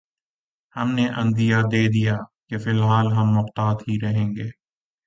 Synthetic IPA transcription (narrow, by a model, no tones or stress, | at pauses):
hɐmneʔɐ̃nd̪ijad̪eːd̪ijaːkefɪlɦaːlɦɐmːʊqt̪aːt̪ɦiɾɐɦẽːŋɡeː